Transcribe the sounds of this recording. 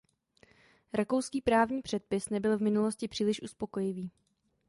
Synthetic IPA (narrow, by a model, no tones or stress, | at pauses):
ɾako̞wskiːpɾaːvɲiːpr̝̥ɛt̪̚pɪsnɛbɪlvmɪnulo̞scɪpr̝̥iːlɪʃʔuspo̞ko̞jɪviː